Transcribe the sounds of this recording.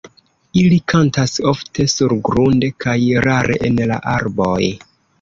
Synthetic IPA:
ilikʰantaso̞ftʰe̞suɾɡɾunde̞kʰajɾaɾe̞̰ʔenla̰ʔaɾbo̞j

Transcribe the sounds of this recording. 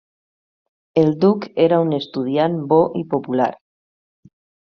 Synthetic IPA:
eld̪ukeɾaunest̪uð̞janboʔipopula̰ɾ

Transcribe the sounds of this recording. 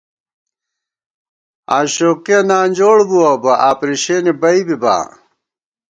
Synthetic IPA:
a̰ːɕoːkiɐnaːnʲd͡ʑoːɽbuaːbɐʔaːpɾiɕeːnibɐibiba̰ː

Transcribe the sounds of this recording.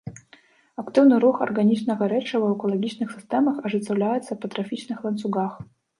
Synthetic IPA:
ɐkt̪ɨwnɨɾuxɐ̰rɡanʲit͡ʃnɐɣɐɾɛt͡ʂɐvɐɛkʊlˠaɡʲit͡ʃnɨxsʲɨst̪ɛmɐxɐʐɨt̪sɐwlʲajɛt̪sːɐpɐt̪ɾɐfʲit͡ʃnɨxlˠɐnt̪suɡax

